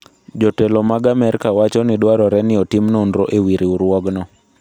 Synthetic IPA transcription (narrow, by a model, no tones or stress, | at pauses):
d͡ʒɔtelɔmaɡamɛɾkawat͡ʃɔnɪdwaɾɔɾɛnɪɔtimnondɾoʔewiɾiuɾwɔɡnɔ